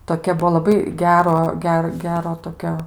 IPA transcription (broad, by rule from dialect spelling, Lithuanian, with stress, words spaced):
toːˈkʲɛ ˈbʊʋoː lˠɐˈbɐɪ ˈɡʲæːroː ˈɡʲɛr ˈɡʲæːroː toːˈkʲoː